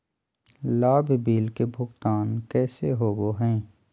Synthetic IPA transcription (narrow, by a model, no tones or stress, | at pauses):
laːbʱbiːlkebʱʊkt̪aːnkɛːseɦoːboɦɛ̃ː